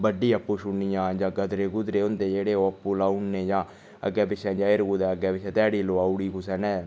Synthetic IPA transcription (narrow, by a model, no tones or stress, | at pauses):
bəɖːiːəpːuːʃʊnijãːd͡ʒãːɡəd̪ɾeːɡʊd̪ɾeːʊnd̪eːd͡ʒeːɽeːoəpːuːlaːunːeːd͡ʒãː | ə̰ɡːɛːbɪʃɛ̃ːd͡ʒãːɪɾɡud̪ɛːəɡɛːbɪt͡ʃʰɛ̃ːt̪ɛːɽiːloːaːuɽiːkusɛːnɛ̃ː